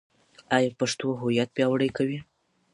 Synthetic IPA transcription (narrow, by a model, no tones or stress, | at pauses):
ajɑpaʂt̪oɦʊjat̪̚bjɑwɽəjkawi